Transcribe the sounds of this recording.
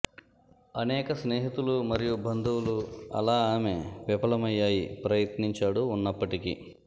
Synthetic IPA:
ɐnɛːkɐsneːɦit̪ulumɐɾijubʱɐnd̪uwuluɐ̰laːaːmeːʋipɐlɐmɐjːaːjipɾɐjɐt̪niɲt͡ʃaːɽuːnːɐpːɐʈikḭ

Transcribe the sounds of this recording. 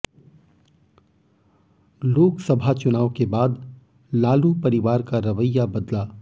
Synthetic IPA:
loːksɐbʱat͡ʃʊnaːʋkebaːd̪ | laːlupɐɾɪʋaːɾkaɾɐʋəjːabɐd̪laː

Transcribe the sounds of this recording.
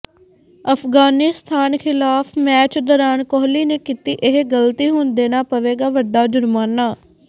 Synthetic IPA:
əpʰɡaːnist̪ʰaːnkʰɪlaːpʰmɛːt͡ʃd̪ɔːɾaːnkɔːɦliːneːkiːt̪iːʔɪɦɡəlt̪iːɦʊnd̪eːnaːpəʋeːɡaːʋəɖːaːd͡ʒʊɾmaːnːaː

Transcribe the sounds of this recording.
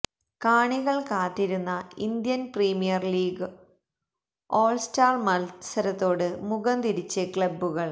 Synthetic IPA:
kaːɳiɣɐɭkaːt̪ːiɾunːɐind̪jɐnpriːmijɐrliːɡɨ | oːlstaːrmɐlsɐɾɐt̪ːo̞ːɽɨmuɣɐnd̪iɾit͡ɕːɐkɭɐbːuɣɐɭ

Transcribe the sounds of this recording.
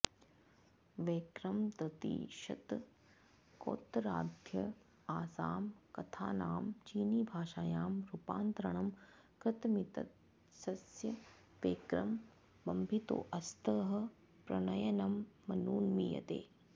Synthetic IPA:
ʋeːkɾɐmt̪ɾɐt̪ḭːʃɐ̰t̪ | ko̰ːt̪ɾaːd̪ʱjɐ | aːsaːmkɐt̪ʰa̰ːnaːmt͡ʃiːniːbʱaːʃaːjaːmɾupaːnt̪ɾɐɳ̃ɐm | kɾɪt̪mit̪ɐ̰t̪ | sɐsjɐ | ʋeːkɾɐm | bɐmbʱit̪o̰ːʔɐst̪əːɦɐ̆ | pɾɐnɐjɐnɐmːɐnuːnmijɐ̰t̪ḛː

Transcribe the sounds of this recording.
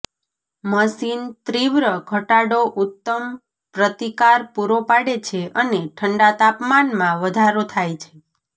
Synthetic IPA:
məsint̪ɾiʋɾəɡʱəʈaɽoʔut̪ːəm | pɾət̪ikaɾpuɾopaɽet͡ʃʰeʔəneʈʰəɳɖat̪apmanmãʋəd̪ʱaɾot̪ʰajt͡ʃʰe̥

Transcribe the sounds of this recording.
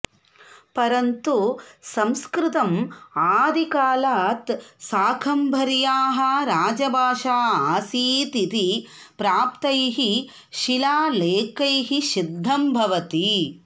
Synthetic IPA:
pɐɾɐnt̪usɐ̃mskɾɪt̪ɐmaːd̪ikaːlaːt̪saːkʰɐmbʱɐɾjaːɦɐɾaːd͡ʒɐbʱaːʃaːaːsiːt̪it̪i | pɾaːpt̪ɐjɦi | ʃilaːleːkɐjɦiʃid̪ʱːɐmbʱɐʋɐt̪i

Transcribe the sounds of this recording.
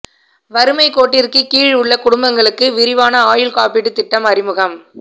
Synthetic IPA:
ʋɐɾɯmɐɪkoːʈːɪrkɯkiːɻʊɭːɐkʊɽʊmbɐŋɡɐɭɯkːɯʋɪɾɪʋaːnɐaːjɪlkaːpiɽɯt̪ɪʈːɐmɐɾɪmɯɣɐm

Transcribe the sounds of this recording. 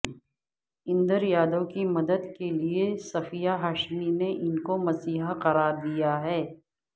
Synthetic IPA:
ɪ̃nd̪əɾjaːd̪õkimɐd̪əd̪keliesɐfijaɦaːʃmineʔɪnkomɐsiːɦaqɐɾaːɾd̪ijaɦɛː

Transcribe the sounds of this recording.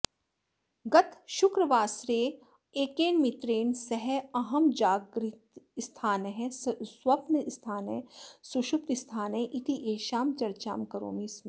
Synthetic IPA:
ɡɐt̪ʃʊkɾəʋaːsɾeː | eːkeːnmit̪ɾeːnsɐɦɛɐɦɐmd͡ʒaːɡɾit̪st̪ʰaːnɦɛ̃swɐpnst̪ʰaːnɦɛ̃suʃʊp̚t̪ist̪ʰaːnɦɛ̃ʔɪt̪ʰiʔeːʃaːmt͡ʃɐɾt͡ʃa̰ːmkɐɾo̰ːmiːsmẽ

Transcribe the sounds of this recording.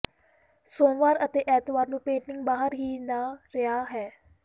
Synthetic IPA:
sõːʋaːɾət̪eːʔɛːt̪ʋaːɾnũːpẽːɳʈɪŋɡbaːɦəɾɦiːnaːɾɪaːɦɛː

